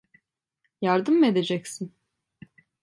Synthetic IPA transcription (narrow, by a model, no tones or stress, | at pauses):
jaɾd̪ɯme̞d̪e̞d͡ʒɛcsin